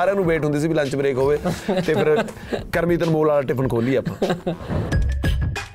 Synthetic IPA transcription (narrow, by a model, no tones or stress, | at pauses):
ɾãːnũːbeːʈɦʊ̃nd̪iːs̬iːbilə̃ɲt͡ʃbəɾeːkɦoːʋeːt̪eːpʰɪɾ | kəɾmiːt̪ənmoːlaːlaːʈɪpʰənkʰoːliːɛːəːpãː